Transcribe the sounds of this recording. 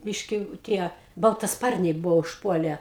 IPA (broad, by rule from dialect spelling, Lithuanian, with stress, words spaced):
ˈbʲɪʃʲkʲɪ ˈtʲiɛ bɐlˠtɐˈspɐrʲnʲɛɪ ˈbʊʋoː ʊʃˈpuɔlʲɛ